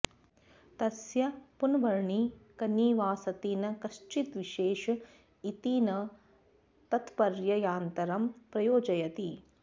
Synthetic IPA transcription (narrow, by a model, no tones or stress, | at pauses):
t̪ɐsjɐpunʋɐɾɳikɐniːʋaːsɐt̪iːnɐkɐʃt͡ʃit̪ʋiʃeːʃɐ | it̪inɐ | t̪ɐt̪pɐɾjɐjaːnt̪ɐɾɐmpɾɐjoːd͡ʒɐjɐt̪i